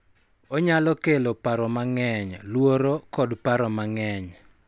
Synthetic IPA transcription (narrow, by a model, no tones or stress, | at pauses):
ɔɲalɔkelopaɾɔmaŋɛɲlwoɾokɔdpaɾɔmaŋɛɲ